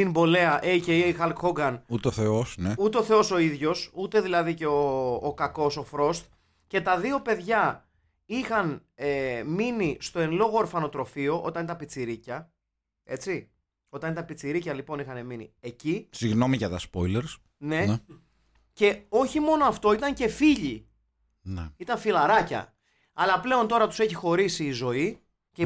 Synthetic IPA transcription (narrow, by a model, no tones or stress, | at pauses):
imbo̞le̞ɐʔeiceiixɐlkxoɡɐnut̪eoθeo̞sneut̪eoθe̞o̞so̞iðʝo̞sut̪e̞ðilɐðice̞oːkɐko̞so̞fɾo̞st̪ | ce̞t̪ɐðio̞pe̞ðʝɐ | ixɐneminist̪o̞e̞nlo̞ɣoːɾfɐno̞t̪ɾo̞fio̞ʔo̞t̪ɐnit̪ɐpit͡siɾicɐ | e̞t͡si | o̞t̪ɐnit̪ɐpit͡siɾicɐlipo̞nixɐne̞minḭe̞cisiɣno̞miʝɐt̪ɐspojleɾs | ne̞ | ce̞o̞çimo̞no̞ɐft̪o̞it̪ɐɲce̞fiʎi | nit̪ɐɱfilɐɾɐcɐ̰ | ɐlɐple̞o̞nt̪o̞ɾɐt̪u̥se̞çixo̞ɾisiːzo̞i | ce